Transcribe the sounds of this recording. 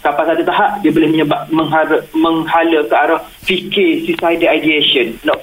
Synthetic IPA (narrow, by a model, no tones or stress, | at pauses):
kapasat̪ut̪aɦaʔdiabolɪhməɲəbap̚məŋɦaɾmə̃ŋhaləkəaɾɔh | fikɪsisajdəajdiesənːɔʔ